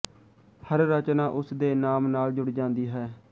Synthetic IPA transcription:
həɾːət͡ʃnaːʔʊsd̪eːnaːmnaːld͡ʒʊɽd͡ʒãːnd̪iːɦɛː

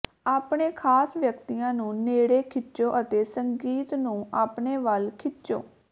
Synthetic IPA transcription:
aːpɳeːkʰaːsʋjəkt̪iːãːnũːneːɽeːkʰɪt͡ʃoːʔət̪eːsəŋɡiːt̪nũːʔaːpɳeːʋəlkʰɪtːt͡ʃo̰ː

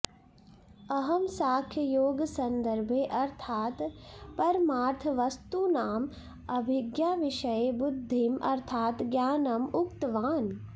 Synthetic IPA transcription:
ɐɦɐmsaːkʰjəjoːɡsɐnd̪əɾbʱeʔɐɾt̪ʰaːt̪pɐɾmaːɾt̪ʰəʋɐst̪unaːm | ɐbʱɪɡjaːʋɪʃɐjebʊd̪ʱːimʔɐ̰ɾt̪ʰaːt̪ɡjaːnɐmʊkt̪ʋaːn

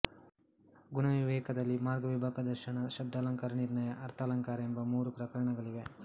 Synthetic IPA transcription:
ɡunɐʋiʋɛːkɐd̪ɐlːimaːɾɡɐʋibʱaːkɐd̪ɐɾʃɐɳɐʃɐb̚d̪ʱaːlɐŋkaːɾɐniɾɳɐjɐʔɐɾt̪ʰalɐŋkaːɾembɐmuːɾupɾɐkɐɾɐɳɐɡɐɭiʋe

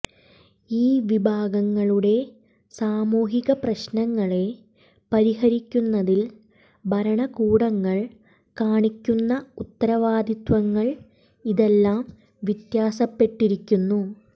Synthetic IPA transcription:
iːʋibʱaːɡɐŋːɐɭuɽe̞ | saːmuːɦiɣɐprɐɕnɐŋːɐɭe̞ | pɐɾihɐɾikʲːunːɐðil | bʱɐɾɐɳɐkuːɽɐŋːɐɭ | kaːɳikʲːunːɐut̪ːɐɾɐʋaːd̪ʱit̪wɐŋːɐɭ | iðe̞lːaːm | ʋit̪jaːsɐpːe̞ʈːiɾikʲːunːu

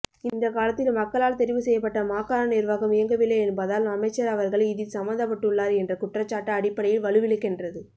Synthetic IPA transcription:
ɪnd̪ɐkaːlɐt̪ːɪlmɐkːɐɭaːlt̪ɛɾɪʋɯsɛjːɐp̬ːɐʈːɐmaːkːaːɾɐnɪɾʋaːɣɐmɪjɐŋɡɐʋɪlːeɛnbɐðaːlɐmɐɪt͡ʃːɐɾɐʋɐɾɣɐɭɪðɪlsɐmbɐnd̪ɐpːɐʈːɯɭːaːɾɛndrɐkʊʈrɐt͡ʃːaːʈːɐːɽɪpːɐɽɐjɪlʋɐɭɯʋɪɭɯkːɛndrɐðɯ

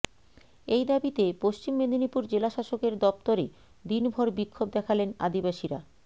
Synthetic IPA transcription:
ejd̪abit̪epoʃt͡ɕimːed̪ʱinipuɾd͡ʑelaʃaʃokeɾd̪ɔpt̪oɾe | d̪inbʱɔɾbikʰːob̚d̪ɛkʰalena̰d̪ibaʃiɾa̰

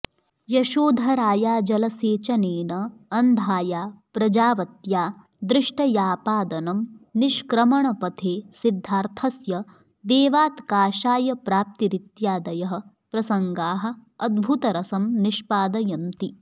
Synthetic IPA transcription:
jɐʃoːd̪ʱɐɾaːjaːd͡ʒɐlɐseːt͡ʃɐneːnɐɐnd̪ʱaːjaːpɾɐd͡ʒaːʋɐt̪jaː | d̪ɾɪʂʈɐjaːpaːd̪ɐnɐmniʃkɾɐmɐɳɐpɐt̪ʰeːsid̪ʱːaːɾt̪ʰɐsjɐ | d̪eːʋaːt̪kaːʃaːjɐpɾaːp̚t̪iɾit̪jaːd̪ɐjɐɦɐ̆ | pɾɐsɐŋɡaːɦɐ̆ɐd̪̚bʱut̪ɐɾɐsɐmniʃpaːd̪ɐjɐnt̪i

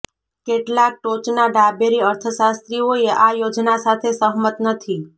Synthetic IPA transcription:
keʈlak̚ʈot͡ʃnaɖabeɾiəɾt̪ʰəʃast̪ɾioeʔajod͡ʒnasat̪ʰesəɦmət̪nət̪ʰi

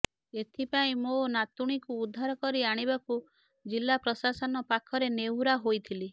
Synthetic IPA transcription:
et̪ʰipaĩmonat̪uɽ̃ikuːd̪ʱːaɾɔkɔɾiaɽ̃ibaku | d͡ʒilːapɾɔsasɔnɔpakʰɔɾenewɾaɦojt̪ʰili

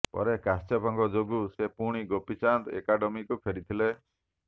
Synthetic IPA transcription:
pɔ̰ɾekastɔpɔŋɡɔd͡ʒoɡusepuɽ̃iɡopit͡ʃant̪ḛkaɖɔmikupʰeɾit̪ʰile

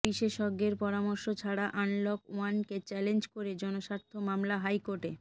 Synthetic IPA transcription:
biʃeʃɔɡeɾpɔɾamɔɾʃot͡ɕʰaɽaʔanlɔkwanket͡ɕɛlend͡ʑkoɾed͡ʑɔnoʃaɾt̪ʰːomamlaɦajkoʈe

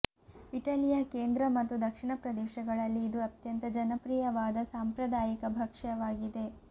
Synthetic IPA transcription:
iʈɐlijɐkeːnd̪ɾɐmɐt̪ːud̪ɐkʂiɳɐpɾɐd̪eːʃɐɡɐɭɐlːiːd̪uɐt̪jɐnt̪ɐd͡ʒɐnɐpɾiːjɐʋaːd̪ɐsaːmpɾɐd̪aːjikɐbʱɐkʂɐʋaːɡid̪e̞

